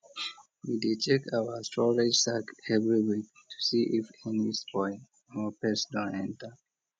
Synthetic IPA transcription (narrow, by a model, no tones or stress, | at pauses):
widetʰekawəstʰɔɹed͡ʒsakɛvɹiɹi | tʰu̥siʔifɛ̃nispʰɔɪ̃ | ɔpɛsdɔ̃nɛ̃ntə